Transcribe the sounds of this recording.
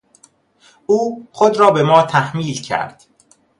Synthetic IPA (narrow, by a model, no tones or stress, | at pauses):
uːxod̪ɾɒːbe̞mɒːt̪ʰæhmiːlcʰæ̰ɾd̪̥